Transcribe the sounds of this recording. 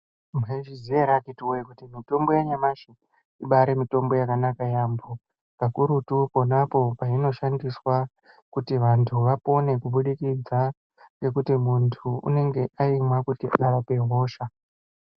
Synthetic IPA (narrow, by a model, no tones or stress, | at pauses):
mɦeʒizieɾakitiwoikutimito̞mbo̞jaɲamaʃi | iɓaɾemito̞mbo̞jakanakajambo | kakuɾutupo̞napo̞paino̞ʃandiswa | kutiʋantʰuʋapo̞ne̞kuɓuɗikid͡za | ŋɡe̞kutimuntʰuṵne̞ŋɡe̞ʔaimwakutiaɗaʋape̞ɦo̞ːʃa